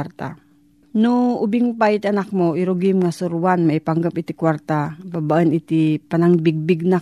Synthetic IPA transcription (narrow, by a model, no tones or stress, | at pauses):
ɾt̪a̰ | nʊŋʊbɪŋpajt̪anak̚moʔiɾoɡɪmŋasʊɾwanmaipaŋɡapɪt̪ɪkwaɾt̪ababaʔənɪt̪ipanaŋbɪɡ̚bɪɡ̚na